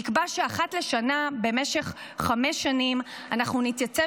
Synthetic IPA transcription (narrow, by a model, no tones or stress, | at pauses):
ikbaʃeaχatle̞ʃanabe̞me̞ʃe̞χ | χameʃːanim | anaχnunit̪jat͡se